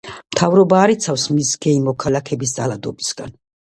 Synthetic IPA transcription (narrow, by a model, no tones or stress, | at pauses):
mt̪ʰavɾɔbaːɾit̪sʰafsmisɡɛimɔkʰalakʰɛbis̬d̪zʼalˠad̪ɔbisɡa̰n